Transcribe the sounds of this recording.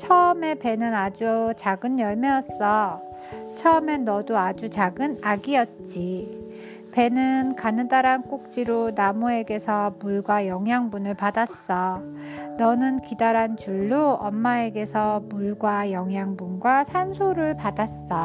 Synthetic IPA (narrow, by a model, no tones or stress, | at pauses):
t͡ɕʰʌɯme̞pe̞nɯnad͡ʑut͡ɕaɡɯnjʌɭmeʌs͈ʌ | t͡ɕʰʌʌme̞nʌduad͡ʑut͡ɕaɡɯnaɡiʌt̚t͡ɕ͈i | pe̞nɯnkanɯndaɾank͈ok̚t͡ɕ͈iɾonamoe̞ɡe̞sʰʌmuɭɡwajʌŋɦjaŋbunɯɭpadas͈ʌnʌnɯnkidaɾant͡ɕuɭːoʌ̰mːae̞ɡe̞sʰʌmuɭɡwajʌŋɦjaŋbunɡwasʰansʰoɾɯɭpadas͈ʌ